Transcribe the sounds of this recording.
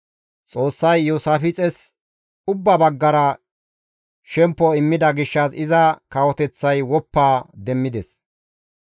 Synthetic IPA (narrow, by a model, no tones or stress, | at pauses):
t͡sʼo̞ːsːɐjːuːsaːfɪt͡sʼɛs | ʊbːɐbɐɡːɐɾɐ | ʃɛmpːɔɪmːɪd̪ɐɡɪʃːɐsɪzɐkɐwɔt̪ɛt͡sːɐjwɔpːaːd̪ɛmːɪd̪ɛs